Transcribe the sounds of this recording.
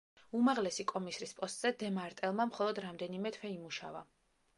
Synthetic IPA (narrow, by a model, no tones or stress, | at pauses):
umaʁlɛsikʼɔmisɾispʼɔst̪ʼz̥ɛd̪ɛmaɾt̪ʼɛlˠmamχɔlˠɔd̪ɾamd̪ɛnimɛt̪ʰwɛimuʃa̰va